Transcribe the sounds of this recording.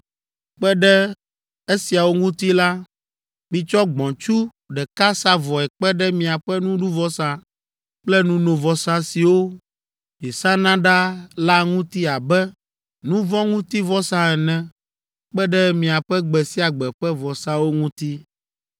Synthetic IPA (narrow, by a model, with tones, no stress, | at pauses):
k͡pɛ˦ɖɛ˦ | e˦si˨a˨wo˦ŋũ˦t̪i˦la˦ | mĩ˨t͡ʃɔ˦ɡ͡bɔ̃˨t͡ʃu˦ | ɖɛ˨ka˦sa˦vɔ˨ɛ˨k͡pɛ˦ɖɛ˦mĩ˨a˨ɸɛ˦nũ˦ɖu˦vɔ˦sã˨ | k͡plɛ˦nũ˦nõ˨vɔ˨sã˦si˨wo˦ | jɛ˨sã˦nã˦ɖa˦la˦ŋũ˦t̪i˦a˨bɛ˦ | nũ˦vɔ̃˦ŋũ˦t̪i˦vɔ˦sã˦ɛ˨nɛ̃˦ | k͡pɛ˦ɖɛ˦mĩ˨a˨ɸɛ˦ɡ͡bɛ˨si˦a˨ɡ͡bɛ˨ɸɛ˦vɔ˨sã˦wo˦ŋũ˦t̪i˦